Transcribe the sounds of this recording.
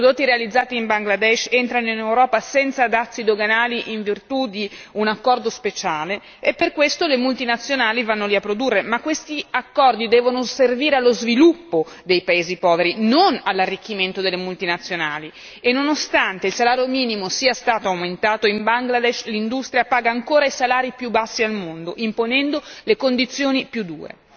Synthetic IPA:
pɾod̪ot̪ːiɾealid̪zːaːt̪iimbaŋɡlad̪ɛʃent̪ɾanoinewɾɔːpasɛnt̪sad̪at̪sːid̪oɡanaːliʔiɱvirt̪ud̪iunakːɔrd̪ospet͡ʃaːle | epːerkwest̪olemult̪inat̪sːjonaːlivanːoliapːɾod̪urːemakːwest̪iakːɔrd̪id̪ɛːvonoserviːɾealːozvilupːo | d̪ejpaeːzipɔːveɾinonalːarːikːiment̪od̪elːemult̪inat̪sːjonaːli | enːonost̪ant̪eilsalaːɾjomiːnimosiːast̪aːt̪oawment̪aːt̪oimbaŋɡlad̪ɛʃlind̪ust̪ɾjapaːɡaːŋkoːɾaisalaːɾipjubːasːialmond̪oʔimponɛnd̪olekond̪it̪sːjoːnipjud̪ːuːɾḛ

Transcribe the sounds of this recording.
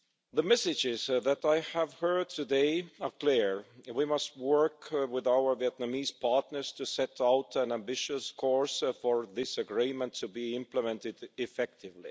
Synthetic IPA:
ðəmɛsɨd͡ʒɪzðæɾaɪəvhɜ˞d̚tʰɨdeɪəkʰl̥iɹwimʌst̚wɜ˞kwɪðaʊə˞viɛtnamiz̥pʰɑɹtnə˞z̥tʰɨsɛtaʊtæ̃næ̃mbɪʃɨskʰɔɹsfə˞ðɪsəɡɹĩmə̃ntʰɨbiɪ̃mpləmɛ̃ntɪdɪfɛk̚tʰɪvlḭ

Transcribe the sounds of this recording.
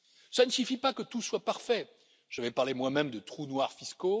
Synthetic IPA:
sanəsyfipakət̪uswapaʁfɛ | ʒ̥əvɛpaʁlemwamɛmd̪ət̪χunwaʁfisko

